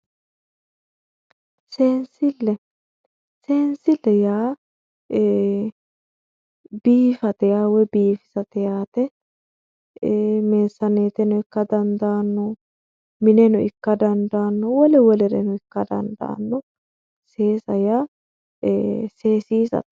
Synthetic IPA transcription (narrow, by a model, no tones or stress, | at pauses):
seːnsɪlːɛ | seːnsɪlːɛjaː | biːfɐt̪ɛjaːwɛbiːfɪ̥sɐt̪ɛjaːt̪ɛ | meːsːɐneːt̪ɛnʊɪkːɐd̪ɐnd̪aːnːɔ | mɪnɛnʊɪkːɐd̪ɐnd̪aːnːɔwɔlɛwɔlɛɾɛnʊɪkːɐd̪ɐ̰nd̪a̰ːnːɔ | seːsɐja | seːsiːsɐ̰t̪